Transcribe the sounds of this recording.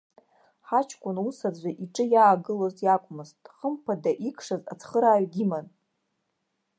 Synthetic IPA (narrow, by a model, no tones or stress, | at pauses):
ħat͡ʃʰkʷʼʊnusad͡ʑʷaʔiʈ͡ʂʼɨjaːɡɨlozjakʷʼmɨztʼχəmpʰadaʔikʰʼʂaza̰t͡sʰχəɾaːɥɡʲiman